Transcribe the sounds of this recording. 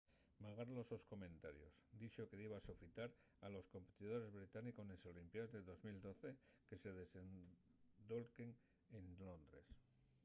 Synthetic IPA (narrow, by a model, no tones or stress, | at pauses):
maɣ̞aɾlo̞so̞sko̞mẽ̞nt̪aɾjo̞̰sd̪it͡ʃoke̞ðiβasofit̪aɾ | alo̞sko̞mpe̞t̪ið̞o̞ɾe̞zβɾit̪anikoneso̞limpjazðeðo̞zmild̪o̞θe̞ke̞se̞ð̞e̞sen | d̪o̞lkeŋ | enlo̞nd̪ɾe̞̰s